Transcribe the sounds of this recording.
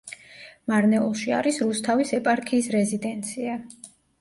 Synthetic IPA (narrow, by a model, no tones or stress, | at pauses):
maɾnɛulˠʃia̰ɾisɾust̪ʰavisɛpʼaɾkʰiːsɾɛzid̪ɛnt̪sʰia